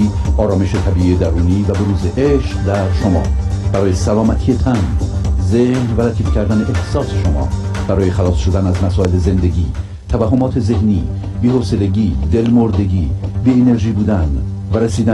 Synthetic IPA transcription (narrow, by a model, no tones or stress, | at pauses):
ɒːɾɒːme̞ʃet̪ʰæbiːʔied̪æɾuːniːvæbeɾuːzeʔeʃqd̪æɾʃomɒ̰ːb̥æɾɒːje̞sælɒːmæt̪ʰije̞t̪ʰænzehnvælæt̪ʰiːfcʰʲæɾd̪æne̞ʔehsɒːse̞ʃomɒ̰ː | b̥æɾɒːje̞xælɒːsʃo̞d̪ænæzmæsɒːe̞le̞ze̞nd̪e̞ɟiː | t̪ʰævæhːomɒːt̪ʰe̞ze̞hniː | biːhoːse̞le̞ɟiːd̪e̞lmoɾd̪e̞ɟiːbeene̞ɾʒiːbuːd̪æn | væɾesiːd̪æ